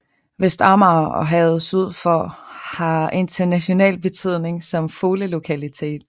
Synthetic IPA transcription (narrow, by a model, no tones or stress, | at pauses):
ʋesd̥ɑ̈mɑːɒ̽ɦɛð̩ˠsuð̞̰ˠfɒhɑ̈ʔe̝nt͡sʰɐnæɕo̝nɛ̰ːlb̥e̝t͡sʰyð̞̰ˠne̝ŋsɒ̽mfo̝ːləlo̝kʰælit͡sʰe̝̰ːd̥